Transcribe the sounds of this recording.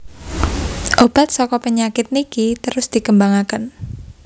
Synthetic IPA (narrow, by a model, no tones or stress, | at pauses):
ʔob̥a̤t̪̚sɔkɔpəɲakɪt̪̚nikit̪əɾʊsd̪̥i̤kəmbaŋakən